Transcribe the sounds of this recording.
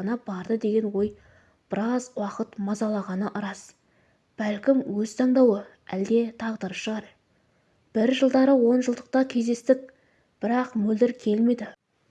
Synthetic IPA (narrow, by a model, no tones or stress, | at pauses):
ɑnɑbɑɾd̪əd̪e̞ɡʲe̞nwo̞j | b̥ɪɾɑzwɑqət̪mɑzɑlˠɑʁɑnəʔəɾɑs | b̥ælkʲɪmwɵz̥t̪ʰɑɴd̪ɑwə | æld̪e̞t̪ʰɑʁd̪əɾəpʃəʁɑɾ | b̥ɪɾʒəlˠd̪ɑɾəwo̞nʒəlˠd̪əq̚t̪ɑkʲʰe̞zd̪e̞st̪ɪk̚ | b̥ɪɾɑqmɵld̪ɪɾkʲʰe̞lme̞d̪ɪ